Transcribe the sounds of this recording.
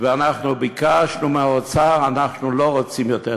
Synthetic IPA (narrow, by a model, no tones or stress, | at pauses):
vɛanaχnubikʰaːʃnumɛʁət͡saːʁanaχnulɔʁət͡simitʰɛ